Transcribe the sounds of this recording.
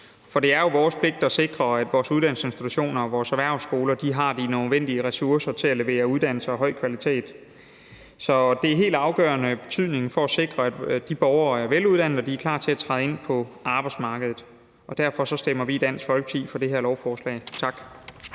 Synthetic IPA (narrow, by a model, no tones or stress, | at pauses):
fɒ̽d̥e̝æɐjo̝ʋɒːspʰle̝ɡ̥̚d̥ɒ̽se̝ɡ̥ʁɐæd̥ʋɒːsuð̞ˠd̥æn̰l̩se̝nsd̥i̥t͡sʰuɕo̝̰ːnɐɒ̽ʋɒːsæʋæɐ̰sɡ̥o̝ːlɐd̥iɦɑ̈d̥inøðˠʋen̰d̥iəʁɛsuɐsɐt͡sʰe̝læle̝ʋe̝̰ːɐuð̞ˠd̥æn̰l̩səɒ̽ɦɒ̽ɪ̰kʰʋælit͡sʰe̝̰ːd̥ | sɒ̽d̥e̝æɐe̝̰ːld̥ɑ̈ʊɡ̥ɶ̰ːɐnəb̥e̝̥t͡sʰyðˠne̝ŋn̩fɒ̽æse̝ɡ̥ʁɐæd̥d̥ib̥ɒʊɐæɐʋeluð̞ˠd̥æn̰ð̩ˠɒd̥iæɐkʰlɑ̰̈ːt͡sʰe̝æt͡sʰʁɑð̩ˠe̝n̰pʰɒ̽ɑ̈ːb̥ɑ̈ɪd̥smɑ̈ːɡ̥əð̞ˠð̩ˠ | ʔɒ̽d̥æɐ̰fɒ̽sɒ̽sd̥emɐʋiːd̥æn̰sfɒ̽lɡ̥ət͡sʰḭːfɒ̽d̥e̝ɦeɐ̰lɒʊfɒːslɛ̰ːɪt͡sʰɑ̈ɡ̥